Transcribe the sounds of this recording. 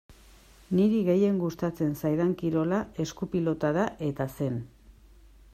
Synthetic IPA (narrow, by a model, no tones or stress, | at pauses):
niɾiɣe̞je̞ŋɡust̪at͡se̞nsajðaŋkiɾo̞lae̞skupilo̞t̪aðaʔe̞t̪ase̞n